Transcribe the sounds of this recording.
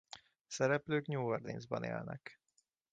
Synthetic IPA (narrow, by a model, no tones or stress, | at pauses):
sɛɾɛpløːkɲuːord̪inzbɒnḛːlnɛ̰k